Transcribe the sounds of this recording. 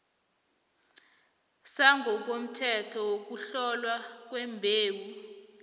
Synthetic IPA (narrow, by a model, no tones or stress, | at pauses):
saŋɡʱɔk̬om̩tʰɛtʰɔwok̬uɬɔlwak̬wɛmbʱeːɓu